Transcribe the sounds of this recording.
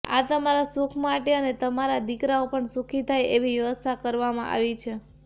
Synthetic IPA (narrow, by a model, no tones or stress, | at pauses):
a̰t̪əmaɾasukʰmaʈeənet̪əmaɾad̪ikɾaopəɳsukʰit̪ʰajeʋiʋjəʋəst̪ʰakəɾʋamã̰ʔa̰ʋit͡ʃʰe